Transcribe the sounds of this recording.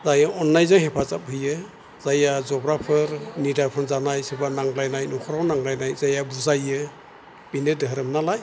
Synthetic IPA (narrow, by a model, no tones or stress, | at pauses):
zajaɔnːajzajhepʰazap̚ɦɯjɯ | z̥ajazɔbɾapʰɯɾnidapʰɯnzanajsebanaŋlajnajnɔkʰɔɾawnaŋlajnajzajabuzajɯ | b̥inɯdɯɦɾɯmnalaj